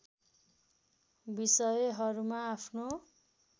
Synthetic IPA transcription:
bisʌjɦʌɾumaːpʰno

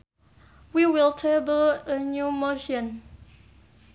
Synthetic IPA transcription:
wiwiltʰebələnjumoʃə̃n

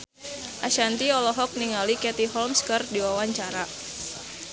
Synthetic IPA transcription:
ʔaʃant̪iɔlɔɦɔk̚niŋalikɛt̪iɦɔlmskərdiwawaɲt͡ʃaɾa

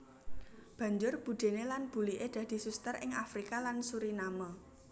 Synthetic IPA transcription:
b̥ä̤ɲd͡ʒʊrb̥ṳd̪̥e̤nelanb̥ṳliʔed̪̥ä̤d̪̥i̤sust̪ərɪŋafɾikalansuɾinamo

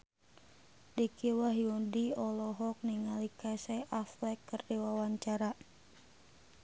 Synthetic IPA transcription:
dikiwaɦiundiɔlɔɦɔk̚niŋalikasaʔaflɛkːɨrdiwawaɲt͡ʃaɾa

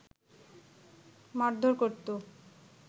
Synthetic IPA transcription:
maɾd̪ʱoɾkoɾt̪o

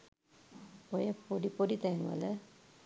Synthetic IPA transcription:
ojɐpoɖipoɖit̪ɛŋʋɐ̰lə

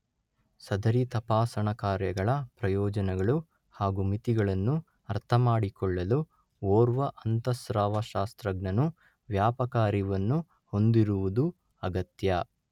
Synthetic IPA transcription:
sɐd̪ɐɾit̪ɐpaːsɐɳɐkaːɾjɐɡɐɭɐpɾɐjɔːd͡ʒɐnɛɡɐɭu | haːɡumit̪iɡɐɭɐnːu | ɐɾt̪ʰɐmaːɽikɔɭːɐlu | oːɾʋɐʔɐnt̪ɐsɾaːʋɐʃaːst̪ɾɐɡnɐnu | ʋjaːpɐkaːɾiʋɐnːu | ho̞nd̪iɾuʋud̪u | ɐɡɐt̪jɐ

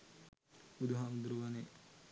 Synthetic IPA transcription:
ud̪uɦamd̪ɾuʋane

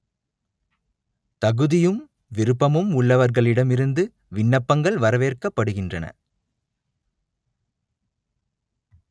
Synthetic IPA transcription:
t̪ɐɣɯðɪjɯm | ʋɪɾɯpːɐmɯmʊɭːɐʋɐɾɣɐɭɪɽɐmɪɾɯnd̪ɯ | ʋɪɳːɐpːɐŋɡɐɭʋɐɾɐʋeːrkɐpːɐɽɯɣɪndrɐnɐ̰

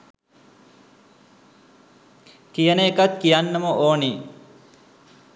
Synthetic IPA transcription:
kijənəekat̪kijanːəməʔoːni

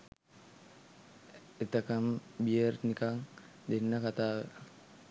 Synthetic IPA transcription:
et̪əkəmbijərnikaŋ | d̪enːəkat̪aːʋə

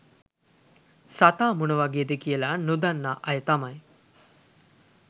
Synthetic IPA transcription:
sat̪aːmunɐʋaɡeːd̪ekijəlaːnud̪anːaʔɐjət̪amɐj

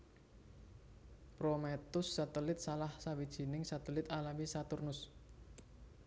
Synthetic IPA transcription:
pɾomet̪ʊsːat̪əlɪt̪̚salahsawid̥ʒ̥i̤nɪŋsat̪əlɪt̪alamisat̪ʊrnʊs

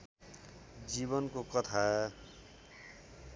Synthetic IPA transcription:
d͡ziβʌnkokʌt̪ʰaʌ

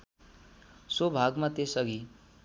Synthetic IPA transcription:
swobʱaɡmat̪esʌɡʱi

